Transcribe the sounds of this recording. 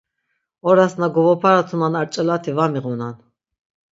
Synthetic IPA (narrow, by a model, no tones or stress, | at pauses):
ɔɾasnaɡɔvɔpʰaɾat̪ʰunanaɾt͡ʃʼɛlat̪ʰivamiʁunan